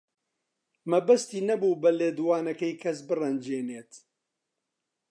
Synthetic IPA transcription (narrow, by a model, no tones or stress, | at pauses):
mɐbɐst̪iːnɐbuːbɐleːd̪waːnɐkɐjkʰɐs̬bɨrɐnd͡ʒeːneːt̪